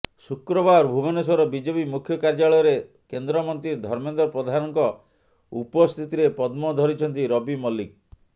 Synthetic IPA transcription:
sukɾɔbaɾbʱubɔnes̬ɔɾɔbid͡ʒepimukʰːjɔkaɾd͡ʒaɭɔjɔɾe | kend̪ɾɔmɔnt̪ɾiɾd̪ʱɔɾmend̪ɾɔpɾɔd̪ʱanɔŋkɔ | upɔst̪ʰit̪iɾepɔd̪mɔd̪ʱɔɾit͡ʃʰɔnt̪iɾɔbimɔlik̚

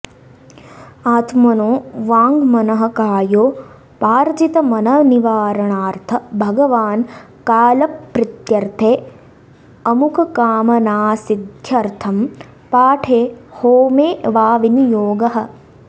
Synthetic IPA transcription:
aːt̪mɐnoːʋaːŋɡmɐnɐɦɐ̆kaːjoː | paːɾd͡ʒit̪ɐmɐnɐniʋaːɾɐɳaːɾt̪ʰɐbʱɐɡɐʋaːn | kaːlɐpːɾɪt̪jɐɾt̪ʰeː | ɐmukʰɐkaːmɐnaːsid̪ʱjɐɾt̪ʰɐm | paːʈʰeːhoːmeːʋaːʋinjoːɡɐɦɐ̆

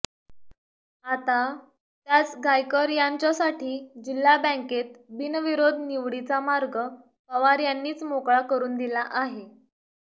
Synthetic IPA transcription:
at̪a | t̪jat͡sɡajkəɾjaɲt͡ɕjasaʈʰiːd͡ʑilːabə̃ŋket̪̚binʋiɾod̪ʱniʋɽit͡samaɾɡə | pəʋaɾjanːiːt͡smokɭakəɾuːnd̪ilaʔaɦe

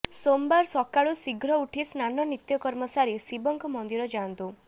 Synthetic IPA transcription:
sombaɾsɔkaɭusiɡɾɔuʈʰisnanɔnit̪jɔkɔɾmɔsaɾisibɔŋkɔmɔnd̪iɾɔd͡ʒant̪u

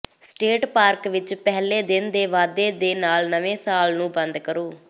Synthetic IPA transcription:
sʈeːʈpaːɾkʋɪt͡ʃpɛɦleːd̪ɪnd̪eːʋaːd̪eːd̪eːnaːlnəʋẽːsaːlnũːbə̃nd̪kəɾoː

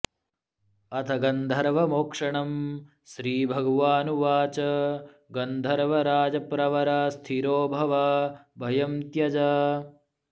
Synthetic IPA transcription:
ɐt̪ʰɐɡɐnd̪ʱɐɾʋɐmoːkʂɐɳɐm | ʃɾiːbʱɐɡɐʋaːnuʋaːt͡ʃɐ | ɡɐnd̪ʱɐɾʋɐɾaːd͡ʒɐpɾɐʋɐɾɐst̪ʰiɾoːbʱɐʋɐbʱɐjɐmt̪jɐd͡ʒɐ

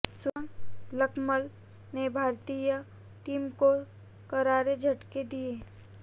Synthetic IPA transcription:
swãləkməl | nebʱaːɾt̪ijə | ʈiːmko | kɐɾaːɾed͡ʒʱɐʈked̪ieː

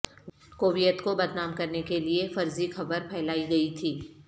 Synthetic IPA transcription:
koːʋijət̪kobɐd̪naːmkɐɾnekeliefɐɾzixɐbəɾpʰɛːlaːiɡɐit̪ʰiː

